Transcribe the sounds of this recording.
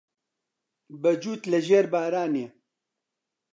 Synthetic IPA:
bɐd͡ʒuːt̪ləʒeːɾbaːɾaːnije

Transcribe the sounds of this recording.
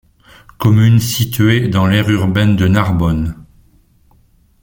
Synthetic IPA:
kɔmynsit̪ɥed̪ɑ̃lɛʁyʁbɛnd̪ənaʁbɔn

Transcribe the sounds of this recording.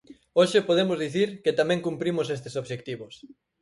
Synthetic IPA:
oʃɪpoðemʊzðiθiɾkɪt̪amɛ̃ŋkumpɾimʊsest̪ɪsoβʃek̚t̪iβʊs

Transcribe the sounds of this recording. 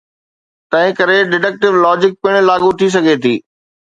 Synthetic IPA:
t̪ɐ̃ɦɪ̃kɐɾeɖɪɖək̚ʈɪʋlɔːd͡ʑɪk̚pɪɽ̃laːɠut̪ʰis̬ɐɡʱet̪ʰiː

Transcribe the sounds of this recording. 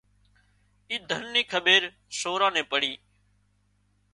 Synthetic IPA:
iːd̪ʱənːĩːkʰəɓeːɾ | soːɾãːnẽːpəɽiː

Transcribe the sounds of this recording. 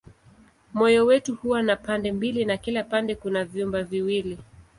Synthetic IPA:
mɔjɔwɛtuhuwanapandɛmbilinakilapandɛkunavjumbaviwili

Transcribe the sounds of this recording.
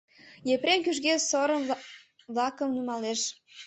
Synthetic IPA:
jepɾenkyʃ̬ɣesoɾəm | βlɑkəmnymɑleʃ

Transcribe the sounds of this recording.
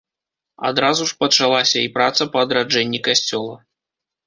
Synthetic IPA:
a̰d̪ɾazuʂpɐt͡ʂalˠasʲɐipɾat̪sɐpɐːd̪ɾad͡ʐɛnʲːikasʲt͡sʲɔlˠɐ̰

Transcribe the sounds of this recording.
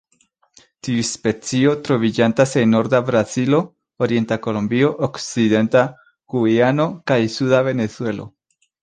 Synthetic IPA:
tiuspe̞t͡sio̞tɾo̞vid͡ʒantase̞nːo̞ɾdabɾazilo̞ː | ɾie̞ntako̞lombio̞ʔokt͡side̞nta | ɡ̥uano̞kajsudave̞ne̞t͡sue̞lo̰

